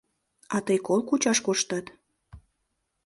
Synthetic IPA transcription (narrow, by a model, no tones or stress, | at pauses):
ɑt̪əjkolˠkut͡ɕɑʃkoʃt̪ɑt̪